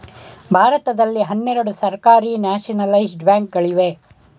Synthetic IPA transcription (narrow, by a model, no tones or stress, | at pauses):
bʱaːɾɐt̪ɐd̪ɐlːiɦɐnːɛɾɐɽusɐɾkaːɾiːnaːʃɐnɐlɐjsɖbaːŋk̚ɡɐɭiʋe